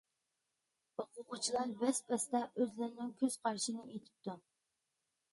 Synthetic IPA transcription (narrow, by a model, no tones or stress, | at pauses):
oqʊʁʊt͡ʃʰilˠɑɾbɛspɛst̪ɛʔøzlɪɾnɪŋkʲʰøz̥qʰɑɾʃinɨʔet̪ʰɪ̥p̚t̪ʰu